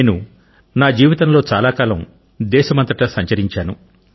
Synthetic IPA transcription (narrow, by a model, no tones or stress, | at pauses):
eːnu | naːd͡ʒiːʋit̪ɐmlo̞ːt͡ʃaːlaːkaːlɐm | d̪ɛːʃɐmɐnt̪ɐʈɐsɐɲt͡ʃɐɾiɲt͡ʃaːnu